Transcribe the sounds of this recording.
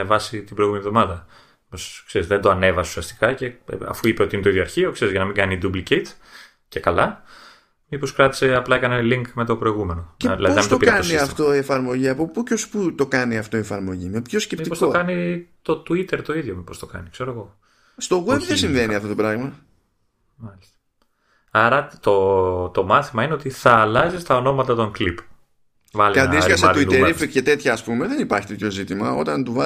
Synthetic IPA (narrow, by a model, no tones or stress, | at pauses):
evɐsit̪ibɾjɣumenivðo̞mɐðɐ | poskseɾizðend̪oɐne̞vɐsu̥siɐst̪i̥kɐce̞̰ɐ̰fuipeo̞t̪iinet̪oiðjo̞ɐɾçio̞kseɾizʝɐnɐmiŋɡɐnid̪ublicet̪ | ce̞kɐlɐ | mipo̞skɾɐt̪i̥se̞ɐplɐekɐneliŋkme̞t̪o̞pɾo̞iɣumenoeðilɐðinɐsmit̪opɾkɐniɐftt̪o̞ie̞fɐɾmo̞ʝiɐpo̞pucosput̪o̞kɐniɐft̪o̞iefɐɾmo̞ʝime̞pço̞sce̞piiosko̞kɐnit̪ot̪uit̪eɾt̪o̞iðʝomipo̞st̪okɐ̰nikse̞ɾoeɣo̞ | st̪o̞ɣwebðesiɱve̞niɐft̪ot̪pɾɐɣmɐ | mɐlist̪ɐ̥ | ɐɾɐt̪ot̪omɐθimɐineot̪iθɐːlɐzist̪ɐono̞mɐt̪ɐt̪o̞ŋklip | vɐleɐnisɐset̪uitt̪eɾifikcet̪e̞t̪çɐːspume̞ðe̞nipɐɾçit̪e̞t̪ço̞zit̪imɐo̞̰t̪ɐnt̪uvɐ